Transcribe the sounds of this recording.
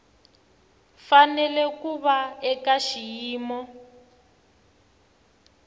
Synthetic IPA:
fanɛlɛkuβaɛkaʃijiːmɔ

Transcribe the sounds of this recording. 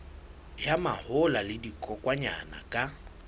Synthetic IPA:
jama̰hʊlalɪdikʼɔkʼwaɲa̰na̰kʼa

